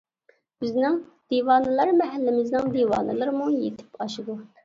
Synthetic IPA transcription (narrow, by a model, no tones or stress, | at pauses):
b̥ɪznɪŋd̪̥iːwɑːnɨlˠɨɾmɛɦɛlːɪmɪznɪŋd̪iːwɑ̰ːnɨlˠɨɾmujet̪ʰɪ̥pɑʃid̪u